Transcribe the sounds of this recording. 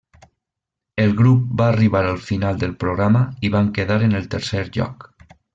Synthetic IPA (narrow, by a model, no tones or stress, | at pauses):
elˠɣɾup̚baːriβaɾəlˠfinalˠd̪əlˠpɾoɣɾaməiβaŋkeðaɾenelˠt̪əɾseɾʎɔ̰k